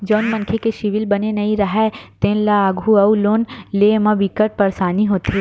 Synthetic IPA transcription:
d͡ʒoːnmɐ̃nkʰekeʃɪʋɪlbɐnenɐĩɾɐɦɛt̪ẽːnlaːɡʱuɐuloːnlemɐ̃ʋikəʈ̚pɐɾsaːniɦoːt̪i

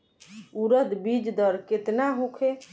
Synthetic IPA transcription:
uɾəd̪bid͡ʒd̪əɾket̪naɦũkʰe

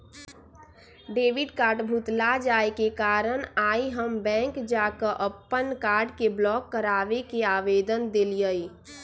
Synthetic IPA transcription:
ɖeːʋiɖkaːɾɖbʱut̪lad͡ʒaːekekaːɾənaːiɦəmbɛ̃ːŋkd͡ʒakəʔəpːənkaːɾɖkeblɔːkːəɾaːʋekeaːʋeːd̪ənd̪elijəi

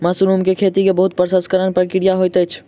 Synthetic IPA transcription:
masuɾumkekʰet̪ikebəɦut̪̚pɾəsəskəɾənpɾəkiɾijaɦojt̪ət͡ʃʰ

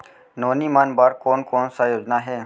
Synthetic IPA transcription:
noːnimaːnbaːɾkoːnkoːnsajoːd͡ʒnaɦɛː

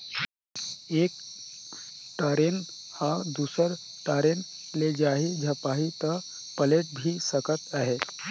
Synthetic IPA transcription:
eːk̚ | ʈaːɾen | had̪uːsəɾ | ʈaːɾen | led͡ʒaːɦid͡ʒʱəpaːɦit̪ɔ | pəleʈ̚bʱisəkət̪əɦe

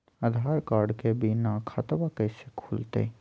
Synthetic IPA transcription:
əd̪ʱaːɾkaːɾɖkebinãkʰaːt̪bakəɪsekʰuːlt̪ḛ

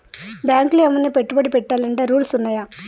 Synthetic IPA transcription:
bjaːŋklemːɐnːipeʈːubɐɽipɛʈːaːlɐɳʈeːɾuːlsunːaːjaː

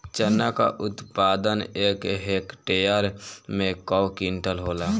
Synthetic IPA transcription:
t͡ʃənːaka̰ʔʊt̪paːd̪əneːkɦeːkʈejəɾmẽkɔwkiɳʈəlɦoːla

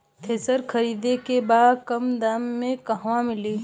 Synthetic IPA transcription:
t̪ʰeːsəɾkʰəɾiːd̪ekebaːd̪kɐmd̪amːẽkəɦʋamɪliː

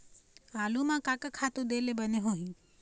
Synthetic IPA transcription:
aːlumãkakəkʰaːt̪od̪eːlebəneɦoːɦĩ

